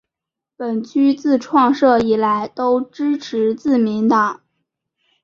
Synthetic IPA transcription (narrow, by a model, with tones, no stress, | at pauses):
pə˨˩nt͡ɕʰy˥t͡sɹ̩˥˧ʈ͡ʂʰwɑ˥˧ŋʂɤ˥˩i˨˩la˧˥ɪt̪o˥ʊʈ͡ʂɻ̩˥ʈ͡ʂʰɻ̩˧˥t͡sɹ̩˥˩mi˧˥nt̪ɑ˨˩˦ŋ